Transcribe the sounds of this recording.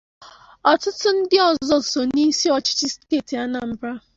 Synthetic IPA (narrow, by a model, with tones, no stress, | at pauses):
ɔ˨tʊ˦tʊ˦n̩˦dɪ˦ɔ˨zɔ˦so˨ni˦si˦ɔ˨t͡ʃɪ̥˦t͡ʃɪ˦ske˨ti˨a˦na˨m̩˦bɾa˦